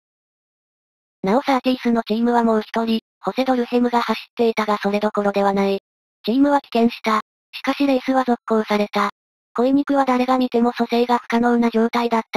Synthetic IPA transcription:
nao̞sat̪ʲiisɨno̞t͡ɕiːmɯ̟βamo̞ːçi̥t̪oɾʲi | ho̞se̞d̪o̞ɾɯ̟he̞mɯ̟ɡahaɕi̥t̪ːe̞it̪aɡaso̞ɾe̞d̪o̞ko̞ɾo̞d̪e̞β̞anai | t͡ɕiːmɯ̟βakʲi̥kẽ̞ɰ̃ɕi̥t̪a | ɕi̥kaɕid̪eːsɨβazo̞kkːoːsaɾe̞t̪a | ko̞emʲikɯ̟βad̪aɾe̞ɡamʲit̪e̞mo̞so̞se̞ːɡakɯ̥kano̞ːnaʑo̞ːt̪aid̪at̪ːa

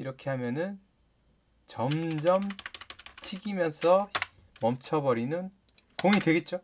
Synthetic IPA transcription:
iɾʌkʰe̞ɦamjʌnɯn | t͡ɕʌmd͡ʑʌm | t͡ɕʰiɡimjʌnsʰʌ | mʌmt͡ɕʰʌbʌɾinɯn | koŋidwe̞ɡe̞t̚t͡ɕ͈o

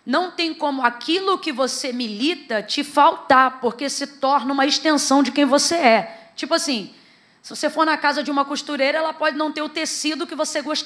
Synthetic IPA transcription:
nɐ̃w̃t̪ẽj̃kõmʊakʰilʊkɪvosemilit̪ɐt͡ʃɪfawt̪aɾpoɾkesɪt̪ɔɾnɐũmɐiʃt̪ẽsɐ̃w̃d͡ʒɪkẽj̃voseɛt͡ʃipʊasĩ | sɪvosefoɾnakazɐd͡ʒɪũmɐkuʃt̪uɾejɾɐɛlɐpɔd͡ʒɪnɐ̃w̃t̪eɾʊt̪esid̪ʊkɪvoseɡoʃt̪

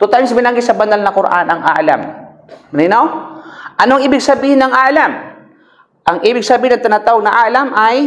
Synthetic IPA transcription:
t̪ʊt̪aʔŋsbɪnaŋɡɪsɐbɐnalnɐkoɾʔa̰nɐŋa̰ʔla̰m | nɪnawʔɐnoɐŋʔiːbɪɡ̚sɐbiːhɪnɐŋaʔlam | ʔɐŋʔiːbɪɡ̚sɐbiːhɪnɐŋt̪anat̪aːwoɡ̚nɐʔaːʔlamʔaj

